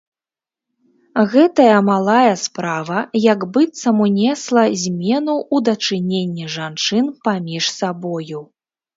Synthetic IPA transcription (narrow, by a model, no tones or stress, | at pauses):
ɣɛt̪ɐjɐmalˠajɐspɾavɐjɐɡbɨt̪sɐmunʲɛslˠɐzʲmʲɛnuʔud̪ɐt͡ʂɨnʲenʲːiʐant͡ʂɨnpamʲiʂsabɔju